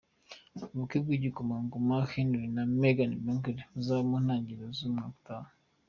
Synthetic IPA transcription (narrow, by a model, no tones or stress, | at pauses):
βukib̚ɡiɟikomaŋɡomaxinduɾinameɡanibeŋkeɾiuzaːɾimon̥aːɲɟiɾozumŋaku̥taːnu